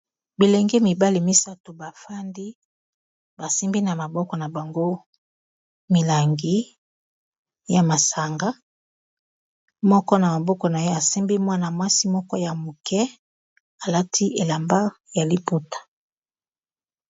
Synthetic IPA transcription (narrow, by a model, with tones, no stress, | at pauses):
bi˨le˨ŋɡe˦mi˨ba˦li˨mi˦sa˦to˨ba˨fa˦ndi˦ | ba˨si˦mbi˦na˨ma˨bɔ˦kɔ˨na˨ba˨ŋɡo˦ | mi˨la˨ŋɡi˦ | ja˨ma˨sa˨ŋɡa˦ | mɔ˦kɔ˦na˨ma˨bɔ˦kɔ˨na˨je˦a˨si˦mbi˦mwa˦na˨mwa˦si˦mɔ˦kɔ˦ja˨mo˨kɛ˦ | a˨la˦tʰi˦ʔe˨la˨mba˦ | ja˨li˦pu˦tḁ˨